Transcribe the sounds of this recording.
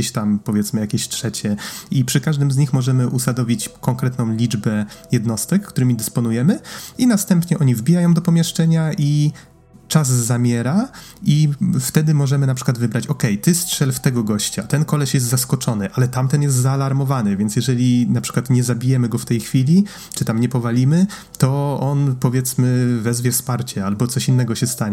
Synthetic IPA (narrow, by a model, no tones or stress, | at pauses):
ɕt̪ampɔvʲjɛt̪smɘjakʲeɕtʂɛt͡ɕɛipʂɘkaʐd̪ɘmzɲixmɔʐɛmɘʔusad̪ɔvʲit͡ɕkɔŋkɾɛt̪nɔ̃w̃lʲid͡ʐbɛjɛd̪nɔst̪ɛkːt̪uɾɘmʲid̪ɘspɔnujɛmɘinast̪ɛmpɲɛʔɔɲivbʲijajɔ̃w̃d̪ɔpɔmʲjɛʂt͡ʂɛɲaʔi | t͡ʂazːamʲjɛɾa | ift̪ɛd̪ɘmɔʐɛmɘnapʂɘ̥kwad̪vɘbɾat͡ɕɔkɛjt̪ɘstʂɛlft̪ɛɡɔɡɔɕt͡ɕat̪ɛnkɔlɛɕjɛs̬t̪zaskɔt͡ʂɔnɘʔalɛt̪amt̪ɛnjɛst̪zaːlaɾmɔvanɘvʲjɛnt̪sjɛʐɛlʲinapʂɘ̥kwat̪ɲɛzabʲijɛmɘɡɔft̪ɛjxfʲilʲi | t͡ʂɨt̪amɲɛpɔvalʲimɘ | t̪ɔɔnpɔvʲjɛt̪smɘvɛzvʲjɛfspaɾt͡ɕɛalbɔt̪sɔɕinːɛɡɔɕɛst̪aɲɛ